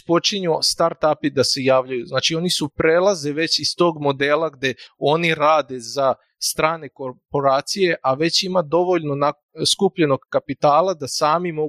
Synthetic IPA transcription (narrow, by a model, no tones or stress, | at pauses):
po̞t͡ʃiɲust̪aɾt̪apid̪ase̞jaːʋʎajuznaːt͡ʃio̞nisupɾelˠazeʋe̞t͡ɕist̪o̞ːɡmo̞d̪e̞ːlˠaɡd̪jeo̞niɾaːd̪e̞za | st̪ɾaːne̞ko̞ɾpo̞ɾaːt̪sije̞ʔaʋe̞t͡ɕimad̪o̞ʋo̞ʎnona | skupʎe̞no̞ɡkapit̪aːlˠad̪asaːmimo